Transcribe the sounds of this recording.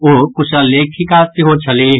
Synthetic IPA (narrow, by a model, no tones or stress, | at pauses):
okʊʃaːleːkʰikaːt̪iɦoːt͡ʃʰɐleː